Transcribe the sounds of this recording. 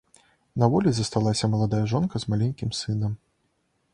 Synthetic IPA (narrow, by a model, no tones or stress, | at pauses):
nɐvɔlʲizɐst̪alˠasʲɐmɐlˠad̪ajɐʐɔnkɐzmalʲɛnʲkʲimsɨnɐm